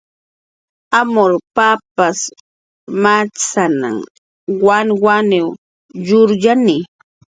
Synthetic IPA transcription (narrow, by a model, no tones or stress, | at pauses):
amoɾpapas | mat͡sana̰m | waŋwanew | jʊɾʎanɪ